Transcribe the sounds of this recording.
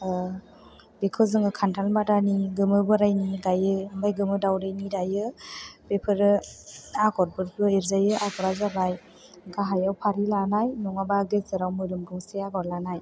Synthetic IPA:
bekʰɯzɯŋɯkʰantʰalmadaniɡɯmɯbɯɾajniɡajɯɯmbajɡɯmɯdawɾajnidajɯb̥epʰɯɾɯaɡɔɾbɯɾbɯeɾzajɯʔakɔɾazabaj | ɡaɦajawpʰaɾilanajnɔŋabaɡesɯɾawmɯɾɯmɡɔŋseaɡɔɾlanaj

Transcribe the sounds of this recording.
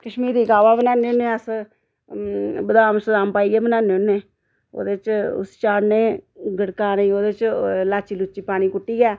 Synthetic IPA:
kəʃmiːɾiːkaːʋaːbənãːneʊnːẽːəs | bəd̪aːmsəd̪aːmpaːiːɛːbənãːneʊnːẽː | o̰ːd̪et͡ʃʊ̰st͡ʃaːɽneːɡəɽkaːnəiːoːd̪eːt͡ʃlaːt͡ʃiːlʊt͡ʃːiːpaːɽ̃iːkʊʈːiːjɛː

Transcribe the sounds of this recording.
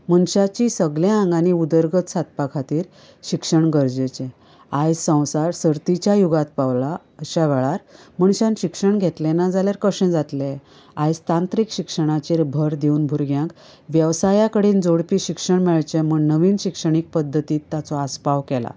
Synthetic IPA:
m̤əɳɕat͡ɕisəɡlaãŋɡaniud̪əɾɡət̪sat̪̚pakʰat̪iːɾ | ɕikʂəɳɡəɾd͡ʑet͡ɕɛ̃ | ajsə̃w̃saɾsəɾt̪it͡ɕjajuɡat̪̚paʋla | əɕaʋɛɭaɾm̤əɳɕãnɕikʂəɳɡʱet̪lɛnad͡zaljaɾkəɕɛ̃d͡zat̪le | ajd͡zt̪ãnt̪ɾikɕikʂəɽ̃at͡ɕeɾbʱəɾd̪iuːnbʱuɾɡjãŋk | ʋjəʋsajakəɽiːnd͡zoɽpiːɕikʂəɳmɛɭt͡ɕemuɳnəʋiːnɕikʂəɳ̃ik̚pəd̪ʱːət̪iːt̪ːat͡sɔaspaʋkɛla̰

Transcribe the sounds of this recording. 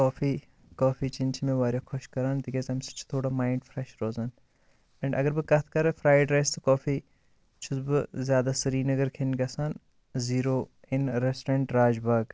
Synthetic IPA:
koːfiː | kaːfʰiːt͡ʃint͡ʃʰmẽʋaːɾʲjoːkʰɔʃkɐɾaːnd̪iɡezɐmsɐ̥t͡ʃʰt̪ʰoːɽaːmaːɪɳɖfɾeʃɾoːzɐn | ɐ̃ɳɖʔɐɡəɾbɨkɐt̪ʰkɐɾfʰɾaːjɖɾɐːst̪okaːfiː | t͡ʃʰʊzbɨzʲjaːd̪aːsɐɾiːnɐɡɐɾkʰenɡʲɐsaːn | ziːɾoː | ɪnɾesʈeɳʈɾaːd͡ʒbaːɡ

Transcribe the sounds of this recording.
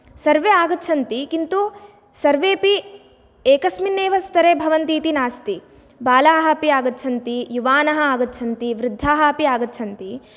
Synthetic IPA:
sɐɾʋeaːɡɐtːt͡ʃʰɐnt̪ikint̪u | sɐɾʋeːpi | eːkɐsminːeːʋɐst̪ʰɐɾebʱɐʋɐnt̪iːt̪inaːst̪i | baːlaːɦɐpiaːɡɐtːt͡ʃʰɐnt̪ijuʋaːnɐɦɐaːɡɐtːt͡ʃʰɐnt̪iʋɾɪd̪ʱːaːɦɐpiaːɡɐtːt͡ʃʰɐnt̪i

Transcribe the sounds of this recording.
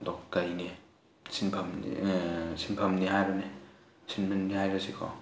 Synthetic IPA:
dɔkkajni | sʰinpʰamḭsʰinpʰamniɦajɾɯne | sʰinbanːiɦajɾɯsikʰɔ̰

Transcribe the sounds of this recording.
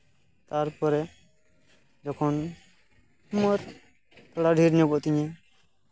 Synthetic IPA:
t̪aɾpɔɾɛ | d͡ʒɔkʰɔn | mɔɾ | t̪ɔɽaɖʱiɾnibɔʔt̪ɪɲɛ

